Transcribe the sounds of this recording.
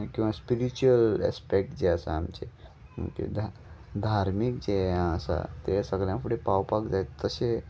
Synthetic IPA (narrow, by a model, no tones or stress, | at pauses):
kĩʋaspiɾit͡ɕuəlḛspek̚ʈd͡ʑeəsa̰ːmt͡ɕe | mə̰kḛd̪ʱad̪ʱaɾmik̚d͡ʑeəsa̰t̪esəɡljãfʰuɽepawpakd͡zaet̪ːəse